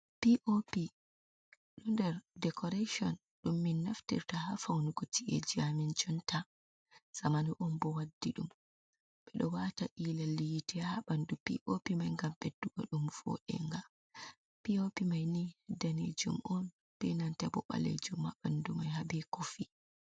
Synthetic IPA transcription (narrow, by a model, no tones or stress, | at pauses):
piʔopi | ɗumdɛɾdɛkʰɔɾaʃɔn | ɗumːinːaftḭɾtahafawnuɡotiʔɛ̰d͡ʒiamint͡ʃɔnta | samaniʔɔmbɔwadːiɗum | ɓ̥ɛɗɔwataʔilalijitɛhaɓandupḭʔopimajŋɡamɓedːuɡɔ̰ɗumfo̰ɗɛ̰ŋɡa | piopimajnihdanḛd͡ʒṵmʔɔn | bɛnantɛbɔ̰ɓa̰lḛd͡ʒumhaɓandumajhabɛkofi